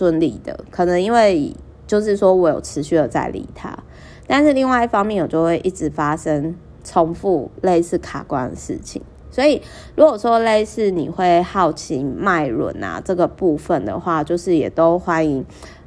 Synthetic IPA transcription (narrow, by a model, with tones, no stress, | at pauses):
swə˦nli˨˩d̪ə̰˩kʰɤ˨˩nə˨˦ŋi˦˥nwe˥˩ɪ | t͡ɕjo˥˧ʊʂ̬ɻ̩˥˩ʂwɔ˦wɔ˨˦˥jo̰˨˩ʊʈ͡ʂʰɻ̩˧˦ɕy˥˩d̪ə˩t͡sa̰˥˩ɪlḭ˨˩˦t̪ʰa̰˦ | t̪a˥˧nʂɻ̩˥˧li˥˧ŋwa˥˧ɪi˥˩fɑ˥ŋmjɛ˥˩nwɔ˨˩t͡ɕjo˥˧ʊxwe˥˧ɪʔi˥˩ʈ͡ʂɻ̩˧˩fa˦ʂə˦˥ŋ | ʈ͡ʂʰo˦ŋfu˥˧le˥˧ɪsʰɹ̩˥˩kʰa˨˩kwa˦nd̪ə̰˨ʂɻ̩̰˥˩t͡ɕʰḭ˨˩˦ŋ | swɔ˧˥i˨˩ | ɻu˧˥ɡwɔ˨˩ʂwɔ˦˥le˥˧ɪsʰɹ̩˥˩nḭ˨˩xwe˥˧ɪhɑ˥˩ʊt͡ɕʰi˧˥ma˥˩ɪɻwə̰˧˩˦nɐ̰˨˩ʈ͡ʂɤ˥˩ɡə˩pu˥˧fə˨˩nd̪ə̰˩xwa˥˧t͡ɕjo˥˧ʊʂɻ̩˥˩jɛ̰˨˩t̪o˦˥ʊxwa˦˥ni˧˦ŋ